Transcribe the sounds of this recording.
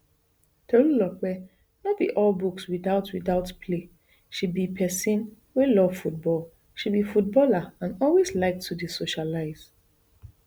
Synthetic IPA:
tʰollɔk͡pɛ | nɔt̚bḭʔɔlbukswiðaʊtwiðaʊtpʰle | ʃid̚bipʰɛsĩn | wɛlɔv̥fut̚bɔl | ʃibifut̚bɔlaãnɔlwezlaɪk̚tʰudisoʃalaɪz̥

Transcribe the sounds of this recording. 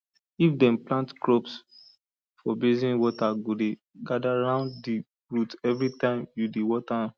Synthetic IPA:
ifdɛ̃mplãntkɹops | fɔbezĩnwɔtaɡode | ɡadaɹãʊ̃ndːi | ɹutɛvɹitãɪ̃mjudewɔta

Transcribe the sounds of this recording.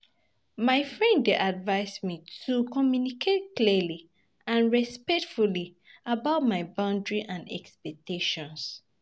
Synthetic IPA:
maɪfɹɛ̃ndeʔadvaɪsmitʰukɔmjunikʰet̚kliəli | ãnɹɛspɛk̚tfuli | abaʊt̚maɪbãʊ̃ndɹiʔãnɛ̰kspɛk̚tʰeʃɔ̃ns

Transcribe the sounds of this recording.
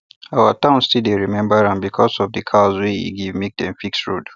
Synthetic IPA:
awətãʊ̃nstideɹimɛ̃mbəɹãnbikʰɔsɔvdɨkʰazweḭɡivmek̚dɛ̃mfiksɹud

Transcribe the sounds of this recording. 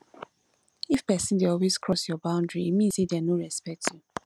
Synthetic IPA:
ifpɛsĩndeɔlwez̥kʰɹɔsjɔbãʊ̃ndɹiːmĩnsedɛnoɹɛspɛk̚tʰju

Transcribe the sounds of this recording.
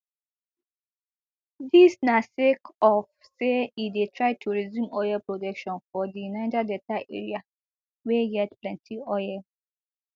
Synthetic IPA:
disnasekɔf | seidetʰɹaɪtʰuɹizjũmɔjɛpɹodɛkʃɔ̃nfɔdijunaɪtadɛtaʔḛɹia | wɛjɛtplɛ̃ntʰiɔjɛ

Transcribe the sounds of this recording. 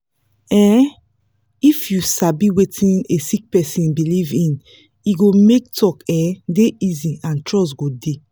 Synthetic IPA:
ɛ | ifjusabiwetʰĩnesik̚pɛsĩnbilivĩn | iɡomek̚tʰɔkɛdeʔiziãntɹɔs̬ɡode

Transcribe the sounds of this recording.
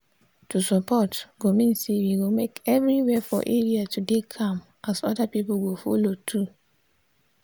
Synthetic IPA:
tusɔpɔtɡomĩnsewiɡomekɛvɹiwɛfɔ̰ʔeɹiatudekʰãm | ʔasɔdapipuɡofo̰lotʰu

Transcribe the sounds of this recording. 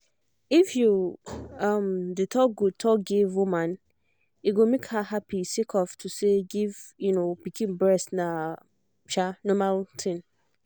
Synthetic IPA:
ifjuʌ̃mdɨtʰɔk̚ɡotʰɔk̚ɡivumãn | iɡomekhahapisekʰɔftʰuseɡivjunopikʰĩnbɹɛstna | t͡ʃanɔmaltʰɪ̃n

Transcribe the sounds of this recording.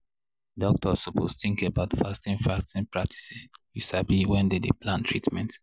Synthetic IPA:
dɔk̚tʰɔsɔpʰostĩŋkəbaʊtfastĩnfɹastĩnpɹak̚tʰi̥sisjisabliwɛ̃ndedeplãntʰɹitmɛ̃nt

